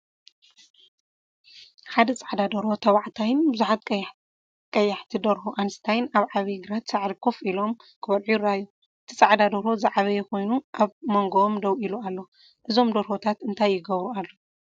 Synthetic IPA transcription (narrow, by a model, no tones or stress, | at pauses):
ħad̪ɐt͡sʼaʕd̪ad̪ɐɾo̞t̪ʰɐwaʕt̪ʰajɪnbɨzuħat̪ | kʼɐjːaħt̪ʰid̪ɐɾhoʔanɨst̪ʰajnaβʕaβiɡɾat̪saʕd̪ikʰofilo̞m | kʰɨβɐlʕuɾaju | ɨt̪ʰit͡sʼaʕd̪ad̪ɐɾozaʕβɐjɛxo̞jnuʔaβmoŋɡoomd̪ɐwʔilualːo̞ | ʔɨzo̞md̪ɐɾhot̪ʰat̪ɨnt̪ʰajːɪɡɐβɾualːo